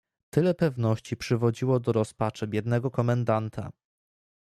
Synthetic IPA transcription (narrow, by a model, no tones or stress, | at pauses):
t̪ɘlɛpɛvnɔɕt͡ɕipʂɘvɔd͡ʑiwɔd̪ɔɾɔspat͡ʂɛbʲjɛd̪nɛɡɔkɔmɛnd̪ant̪ʰa̰